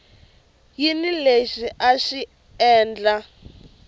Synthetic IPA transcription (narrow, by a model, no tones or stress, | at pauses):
jinileʃiʔaʃi | ɛːnd͡ɮa